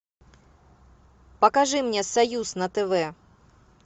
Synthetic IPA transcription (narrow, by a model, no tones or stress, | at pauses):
pɐkaʐɨmnʲɛsɐjusnɐt̪ɛvɛ